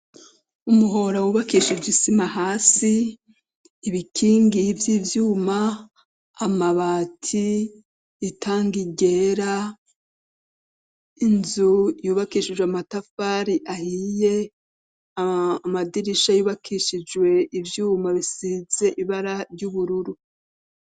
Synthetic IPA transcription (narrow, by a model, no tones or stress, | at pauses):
umuɦo̞ɾawuːβakiːʃid͡ʒwisimahaːsiː | βikʰiːŋɡivjiːvjuːmaː | maβatʰiː | tʰaːŋɡiɟe̞ɾa | inzujuːβakiːʃid͡ʒweamatafaːɾiʔahije̞ | amadiɾiʃajuːβakʰiʃid͡ʒwe̞ʔivjuːmaβisize̞ʔiβaɾaɾjuːβuɾuɾu